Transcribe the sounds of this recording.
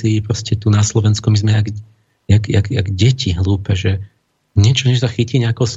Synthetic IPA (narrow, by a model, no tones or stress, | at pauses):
ipɾɔscɛt̪unaslɔʋɛnskumizmɛaɡ | jaɡa̰ɡa̰ɡɟɛciɦluːpɛʒɛ | ɲɛt͡ʃɔɲɛʒsaxiciːɲɛakɔʊs